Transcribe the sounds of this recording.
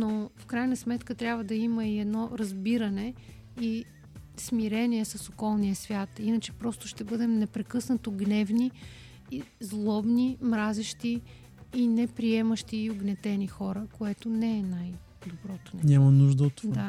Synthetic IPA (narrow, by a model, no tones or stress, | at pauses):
nofkɾajnəsmɛt̪kət̪ɾʲabvəd̪ɐiməiɛd̪nɔɾɐzbiɾənɛ | i | smiɾɛniɛsɐsokɔlˠnijəsvʲjat̪inət͡ʃɛ̥pɾɔst̪ʊʃt̪ɛbɤd̪ɛmnɛpɾɛkɤsnət̪oɡnɛvni | zlˠɔbnimɾazɛʃt̪iː | nɛpɾiɛməʃt̪iːʊɡnɛt̪ɛnixɔɾəkoɛt̪onɛɛnaj | d̪obɾɔt̪o̥nɛɲʲamɐnuʒd̪əot̪ːovd̪a